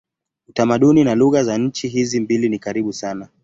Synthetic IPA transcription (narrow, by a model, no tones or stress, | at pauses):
utamaɗuninaluɣazaɲ̩t͡ʃiɦizimbilinikaɾiɓusana